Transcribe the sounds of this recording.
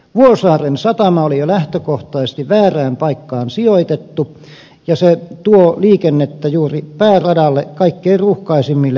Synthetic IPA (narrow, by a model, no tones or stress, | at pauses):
ʋuosɑːrensɑt̪ɑmɑolijolæht̪økoht̪ɑˑisest̪iʋæːræːmpɑikːɑːnsioit̪et̪ːu | jɑset̪uoliːkenːet̪ːæjuːripæːrɑdɑlːekɑikːeiruhkɑisimːilːe